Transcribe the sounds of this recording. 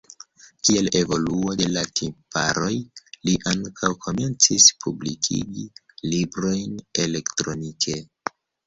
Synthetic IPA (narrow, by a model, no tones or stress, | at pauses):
kie̞le̞vo̞luo̞de̞latʰimpaɾo̞jliʔaŋkʰawkʰo̞me̞nt͡sispʰublikʰḭɡi | libɾo̞jne̞le̞ktɾo̞nikʰe